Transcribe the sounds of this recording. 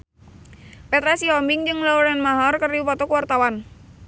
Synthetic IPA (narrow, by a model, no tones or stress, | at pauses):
pɛt̪ɾasiɔmbiŋd͡ʒɨŋlauɾanmaɦɔrkərdiupɔt̪ɔkuwart̪awan